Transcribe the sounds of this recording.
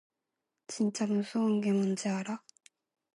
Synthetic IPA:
t͡ɕint͡ɕ͈amɯnsʰuɯŋɡe̞mund͡ʑeaɾa

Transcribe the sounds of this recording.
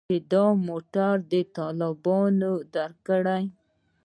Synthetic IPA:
ed̪ɑmoʈaɾd̪ət̪ɑlɪbɑnod̪aɾkəɽaj

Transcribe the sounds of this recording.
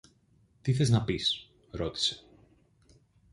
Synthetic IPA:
t̪iθe̞znɐpis | ɾo̞t̪i̥se̞̥

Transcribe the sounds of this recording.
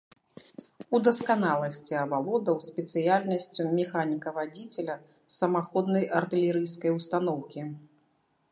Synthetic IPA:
ud̪ɐskanalˠɐsʲt͡sʲiɐbalˠɔd̪ɐwsʲpʲɛt̪sɨjalʲnɐsʲt͡sʲumʲɛxanʲikɐvad͡zʲit͡sʲɛlʲɐ | sɐmaxɔd̪nɐjʔɐrt̪ɨlʲɛɾɨjskɐjwst̪an̪ɔwkʲi

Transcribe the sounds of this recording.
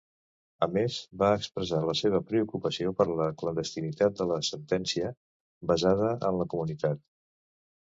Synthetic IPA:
əmezbaəkspɾəzaləseβ̞əpɾəukupəsiopəɾləklənd̪əst̪init̪at̪̚d̪ələsənt̪ɛnsiə | bəzað̞əə̰nləkumunit̪at̪̚

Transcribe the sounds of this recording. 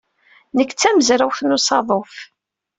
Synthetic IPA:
nəkːt͡sːæməzɾæwθnusˤɑðˤof

